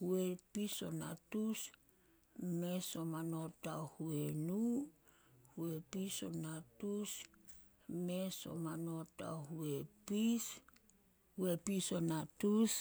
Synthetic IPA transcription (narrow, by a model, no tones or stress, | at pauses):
huepiso̞natus | me̞somano̞tahuenu | hue̞piso̞̰natus | meso̞̰mano̞ta̰huepis | huepiso̞natus